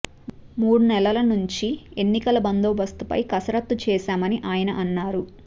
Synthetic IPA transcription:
muːɽunɛlɐlɐnuɲt͡ʃie̞nːikɐlɐbɐnd̪oːbɐst̪upɐ̰jkɐsɐɾɐt̪ːut͡ʃɛːʃaːmɐniʔaːjɐnɐʔɐnːaːɾu

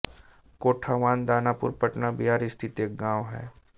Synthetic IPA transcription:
koːʈʰaːʋaːnd̪aːnaːpʊ̰ɾpəʈnabiɦaːɾɪst̪ʰit̪ek̚ɡãːʋɦɛ̰ː

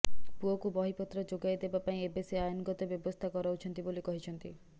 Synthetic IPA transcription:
puokubɔɦipɔt̪ːɾɔd͡ʒoɡajed̪ebapaĩebeseajonɡɔt̪ebjɔbɔst̪ʰakɔɾaut͡ʃʰɔnt̪ibolikɔɦit͡ʃʰɔnt̪i

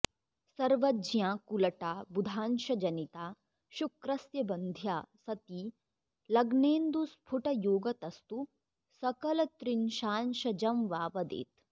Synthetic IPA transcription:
sɐɾʋɐd͡ʒjãːkulɐʈaːbud̪ʱaːnʃɐd͡ʒɐnit̪aː | ʃukɾɐsjɐbɐnd̪ʱjaːsɐt̪iː | lɐɡneːnd̪uspʰuʈɐjoːɡɐt̪ɐst̪u | sɐkɐlɐt̪ɾinʃaːnʃɐd͡ʒɐmʋaːʋɐd̪ḛːt̪

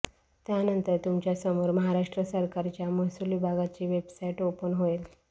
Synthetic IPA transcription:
t̪janənt̪əɾt̪umt͡ɕjasəmoɾməɦaɾaʂʈɾəsəɾkaɾt͡ɕjaməsulibʱaɡat͡ɕiːʋebsaiʈopənɦoel

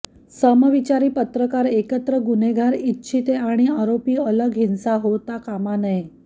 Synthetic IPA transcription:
səməʋit͡ɕaɾiːpət̪ɾəkaɾekət̪ɾəɡuneɡʱaɾitːɕʰit̪eaɽ̃iaɾopiːələɡɦinsaɦot̪akamanəj

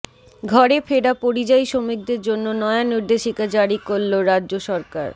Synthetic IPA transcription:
ɡʱɔɾefʰeɖapoɾid͡ʑajʃomik̚d̪eɾd͡ʑonːonɔeaniɾd̪eʃikad͡ʑaɽikolːoɾadʑoʃɔɾka̰ɾ

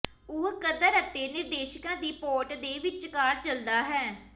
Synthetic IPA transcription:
ʊɦkəd̪əɾət̪ːeːnɪɾd̪eːʃəkãːd̪iːpoːʈd̪eːʋɪt͡ʃkaːɾt͡ʃəld̪aːɦɛː

